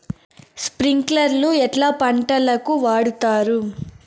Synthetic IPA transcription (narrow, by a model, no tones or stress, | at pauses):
spɾiŋklɐɾluɛʈlaːpɐɳʈɐlɐkuʋaːɽut̪aːɾu